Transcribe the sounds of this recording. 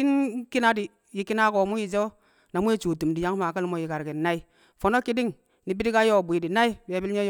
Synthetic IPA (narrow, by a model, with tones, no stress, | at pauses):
i˦nki˦na˦di˨ | ji˨ki˦na˦ko˨mu˦ji˨d͡ʒo˦ | na˨mu˦e˦t͡ʃu˨tu˨mdi˨ja˦ŋ˦ma˨ki˦lmo˦˨ji˨ka˨ɾki˨na˦i˦ | fo˨no˦ki˦di˦ŋ | ni˨bi˦di˦ka˦jo˦˨bʷi˨di˨na˦i˦be˨bi˦lɲe˦